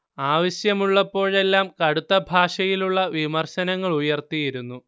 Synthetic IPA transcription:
aːʋɐɕjɐmuɭːɐpːo̞ːɻe̞lːaːmkɐɽut̪ːɐbʱaːʂɐjiluɭːɐʋimɐrɕɐnɐŋːɐɭujɐrt̪ijiɾunːu

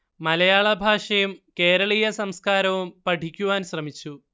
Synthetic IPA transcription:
mɐlɐjaːɭɐbʱaːʂɐjumke̞ːɾɐɭiːjɐsɐmskaːɾɐʋumpɐʈikʲːuʋaːnɕrɐmit͡ɕːu

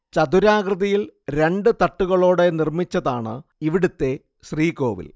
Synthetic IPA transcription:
t͡ɕɐd̪uɾaːɡrɨðɐjilɾe̞ɳɖɨt̪ɐʈːuɣɐɭo̞ːɽe̞nirmit͡ɕːɐðaːɳɨ̰iʋiɽut̪ːe̞ | ɕriːko̞̰ːʋḭl

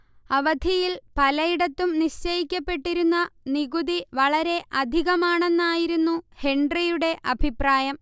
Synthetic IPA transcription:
ɐʋɐd̪ʱijilpɐlɐjiɽɐt̪ːumniɕt͡ɕɐjikʲːɐpːe̞ʈːiɾunːɐniɣud̪iʋɐɭɐɾe̞ʔɐd̪ʱiɣɐmaːɳe̞nːaːjiɾunːuhe̞ɳɖrijuɽe̞ʔɐbʱipraːjɐm

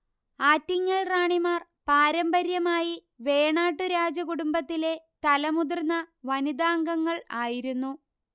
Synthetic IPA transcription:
aːtːiŋːɐɭraːɳimaːr | paːɾɐmbɐɾjɐmaːji | ʋe̞ːɳaːʈːuɾaːd͡ʑɐkuɽumbɐt̪ːile̞t̪ɐlɐmud̪urnːɐʋɐnid̪aːŋɡɐŋːɐɭaːjiɾunːu

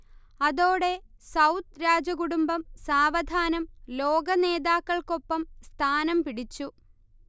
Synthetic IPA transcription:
ɐðo̞ːɽe̞ | sɐwt̪ɾaːd͡ʑɐɡuɽumbɐmsaːʋɐd̪ʱaːnɐmlo̞ːɡɐne̞ːðaːkːɐɭko̞pːɐmst̪ʰaːnɐmpiɽit͡ɕːu

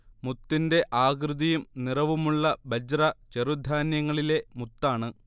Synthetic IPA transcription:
mut̪ːinde̞ʔaːɡrɨðijumnirɐʋumuɭːɐbɐd͡ʑrɐt͡ɕerud̪ʱaːnjɐŋːɐɭile̞mut̪ːaːɳɨ

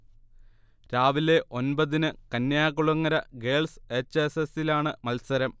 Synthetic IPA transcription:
ɾaːʋile̞ʔo̞nbɐðinɨkɐnjaːɣuɭɐŋːɐɾɐɡe̞ːlset͡ɕːesesilaːɳɨmɐlsɐɾɐm

